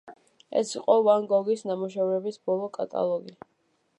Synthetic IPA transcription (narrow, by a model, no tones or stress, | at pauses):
ɛ̰siqʼɔvaŋɡɔɡisnamuʃ̬ɛvɾɛbisbɔlˠɔkʼa̰t̪ʼa̰lˠɔɡi